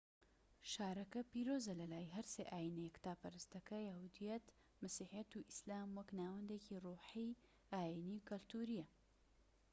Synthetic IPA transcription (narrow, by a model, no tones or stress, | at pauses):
ʃaːɾɐkɐpiːɾoːzɐlɐlaːjɦɐɾseːʔaːjinɐjɛkt̪aːpɐɾɨst̪ɐkɐjahud̪ijɐt̪ | mɐsiːħijɐt̪uʔislaːmwɐknaːwɐnd̪eciruːħij | aːjinikɐlt̪uːɾijɐ